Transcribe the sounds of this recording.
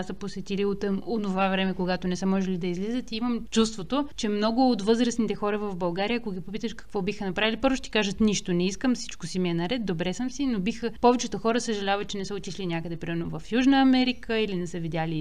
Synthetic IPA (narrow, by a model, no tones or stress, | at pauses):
səposɛt̪iliot̪monovavɾɛmɛkoɡat̪onɛsəmɔʒɛlid̪ɐizlizət̪iiməmt͡ʃust̪vot̪ot͡ʃɛmnɔɡʊːt̪vɤzɾəsnit̪ɛxɔɾəvɐvbɐlˠɡaɾijəːkoɡʲipopit̪əʃkɐ̥kvɔbixənɐpɾavilʲipɤɾvʊʃɛt̪ʲɛ̥kaʒət̪niʃt̪onɛiskəmsi̥t͡ʃkosimiɛnɐɾɛt̪̚d̪obɾɛsəmsinobixəpɔvɛt͡ʃɛt̪oxɔɾəsəʒɐlʲavət̪̚t͡ʃɛnɛsəot̪ʲislilinʲjakəd̪ɛpɾimɛɾnovɐfjuʒnəɐmɛɾikəilinɛsəvid̪ʲjali